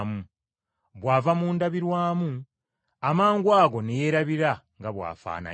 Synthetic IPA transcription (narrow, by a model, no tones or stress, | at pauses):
mu | βwaːvamuːndaβiɾwaːmu | amaːŋɡwaːɡo̞neje̞ːɾaβiɾaŋɡaβwa̰ːfa̰ːna̰